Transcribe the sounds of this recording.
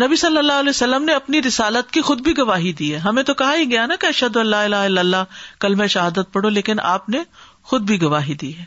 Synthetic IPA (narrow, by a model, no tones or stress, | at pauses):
nɐbisɐlːəlːaːɦɐlɛːsɐlːəmneɐpniɾɪsaːlət̪kixʊd̪̚bʱiɡɐʋaːɦid̪iːɦɛːɦɐmẽt̪okɐɦaiɡɐjanakeɐʃəd̪oɐ̃lːaːɪlaːɦɪlːəlːakɐlmɛ̃ʃɐɦaːd̪ət̪̚pɐɽoleːkɪnʔa̰ːpne | xʊd̪̚bʱiɡɐʋaːɦid̪iːɦɛː